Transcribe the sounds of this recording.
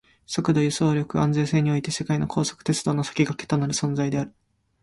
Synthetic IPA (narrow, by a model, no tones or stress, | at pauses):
so̞kɯ̟d̪o̞jɯ̟so̞ːɾʲo̞kɯ̟ãnd͡ze̞ːse̞ːɲ̟io̞it̪e̞se̞kaino̞kʰo̞ːso̞̥kɯ̥t̪e̞t͡sɨd̪o̞ːno̞sḁkʲiɡaket̪o̞naɾɯ̟sõ̞nd͡zaid̪e̞aɾɯ̟